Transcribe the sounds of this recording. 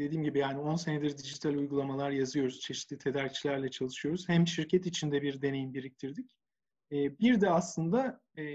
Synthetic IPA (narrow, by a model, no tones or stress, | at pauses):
d̪̥e̞d̪iːmɟibijaːnio̞nse̞ned̪iɾd̪id͡ʒit̪ʰalʲujɡulˠamalˠaɾjazɯjo̞ɾuz̥t͡ʃʰe̞ʃit̪lʲit̪ʰe̞d̪æɾct͡ʃʰilʲæɾlʲɛt͡ʃʰalˠɯʃɯjo̞ɾuz̥hæmʃiɾcʰɛt̪it͡ʃʰind̪ɛbiɾd̪e̞ne̞jimbiɾic̚t̪ʰiɾd̪icː | biɾd̪ɛaslˠɯnd̪a